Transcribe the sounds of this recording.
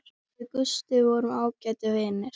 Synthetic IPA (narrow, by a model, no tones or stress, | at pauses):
ɪkʏst̪ʏvɔɾʏmaːwcaːjt̪ʏveːnɪɾ̥